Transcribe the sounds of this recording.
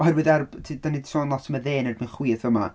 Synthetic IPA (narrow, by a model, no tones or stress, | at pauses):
ɔɦɛrwɨðɛrb̥tʰiːd̥anid̥soːnlˠɔtəməðeːnɛdmɨnχwiːθəma̰